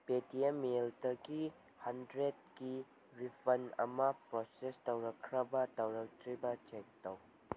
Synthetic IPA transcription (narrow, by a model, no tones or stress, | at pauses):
petiemːeldɐɡi | hɐndɾed̚ɡi | ɾipʰɐnɐ̰mɐpɾosestɐwɾɐkʰːɾɐbɐtɐwɾɐk̚tɾibɐt͡ʃek̚tɐw